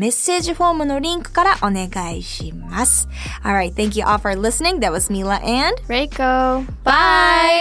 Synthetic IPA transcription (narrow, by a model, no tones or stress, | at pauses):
mɛsɪd͡ʒfomənoɾĩŋko̥kaɾaʔɔ̃neɡaɪʃimas | ʔɔlˠɹaɪt̪̚θæ̃ŋkjuʔɔlˠfə˞lɪsnɪ̃ŋðɨt̚wʌzmilˠəʔɛ̃nd̥ɹeɪɡ̥oʊb̥aɪ